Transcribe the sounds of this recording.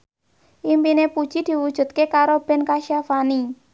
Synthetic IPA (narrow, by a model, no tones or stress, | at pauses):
ʔimpinepud̥ʒ̥i̤d̪̥i̤wud̥ʒ̥ṳt̪̚kekaɾob̥ɛ̤nkaʃafani